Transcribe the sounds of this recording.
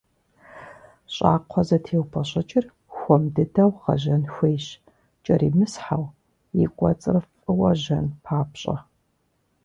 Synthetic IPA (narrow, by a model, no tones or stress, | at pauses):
ɕʼa̰ːqʷʰɔzɐtʰeːwpʰɐɕʼɐt͡ʃʼɪr | xʷɔmdɨdɐwʁɐ̰ʑɐnxʷejɕ | t͡ʃʼɐɾḭːmɨsħaw | jikʷʼɔt͡sʼɨrɨf | ɨwɐʑɐnpʰaːpɕʼɐ̰